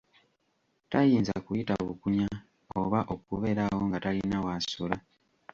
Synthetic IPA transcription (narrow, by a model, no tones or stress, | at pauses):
tajiːnza̰kujitaβukuɲa | o̰βaʔo̞kuβe̞ɾawo̞ŋɡatalinawasula